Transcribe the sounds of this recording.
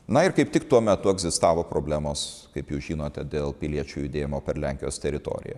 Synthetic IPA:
nɐɪɾkɐɪp̚t̪ʲɪkt̪uɔmʲɛt̪ʊɛɡzʲɪst̪ɑːʋoːpɾoːbʲlʲæːmoːskɐɪpjuːsʒʲiːnoːt̪ʲɛd̪ʲeːlˠpʲɪlʲiɛt͡ʃʲuːjʊd̪ʲeːjɪmoːpʲɛɾlʲæŋʲkʲɪjoːst̪ʲɛɾʲɪt̪o̰ːɾʲɪ̰jɛ̰

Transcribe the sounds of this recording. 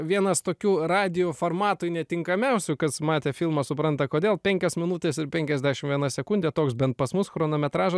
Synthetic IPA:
ʋʲiɛnɐst̪oːkʲuːrɑːd̪ʲɪjoːfoːrmɑːt̪ʊjnʲɛt̪ʲɪŋkɐmʲɛʊsʲʊkɐsmɑːt̪ʲeːfʲilˠmɐsʊpɾɐnt̪ɐkoːdʲeːlˠpʲɛŋʲkʲosmʲɪnut̪ʲeːsɪɾpʲɛŋʲkʲɛzʲd̪ʲæːʃʲɪmʋʲiɛnɐsʲɛkʊnʲd̪ʲɛt̪oːksbʲɛnt̪̚pɐsmʊsxɾoːnoːmʲɛt̪ɾɑːʒɐ

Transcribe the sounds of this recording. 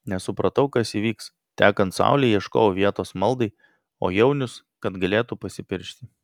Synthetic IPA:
nʲɛsʊpɾɐt̪ɐʊkɐsiːʋʲiːks | t̪ʲæːkɐnt̪sɑ̰ʊlʲɛɪiɛʃko̰ːʋʲiɛt̪oːsmɐlˠd̪ɐɪ | o̰ːjɛʊnʲʊs | kɐt̪ɡɐlʲeːt̪upɐsʲɪpʲɪɾʲʃʲt̪ʲɪ

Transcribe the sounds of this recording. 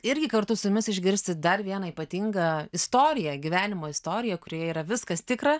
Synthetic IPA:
ɪɾʲɡʲɪkɐɾt̪ʊsʊjʊmʲɪsɪʒʲɡʲɪɾʲsʲt̪ʲɪd̪ɐɾʋʲiɛnɐiːpɐt̪ʲiŋɡɐɪst̪oːɾʲɪjɛɡʲiʋʲæːnʲɪmoːɪst̪oːɾʲɪjɛkʊɾʲoːjɛiːɾɐʋʲɪskɐst̪ʲɪkɾɐ

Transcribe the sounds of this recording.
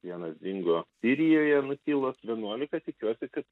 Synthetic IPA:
ʋʲiɛnɐszʲɪŋɡoːsʲɪɾʲɪjoːjɛnʊkʲiːlˠoːsʋʲiɛnuɔlʲɪkɐt̪ʲɪkʲuɔsʲɪkɐt̪

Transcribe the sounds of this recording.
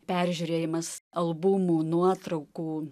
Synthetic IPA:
pʲæɾʲʒʲuːɾʲeːjɪmɐsɐlˠbumuːnuɔt̪ɾɐʊkuː

